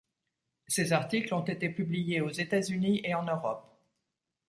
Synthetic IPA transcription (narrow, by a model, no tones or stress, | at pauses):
sezaʁt̪iklɔ̃t̪et̪epyblijeozet̪azyniʔeɑ̃nøʁɔp̚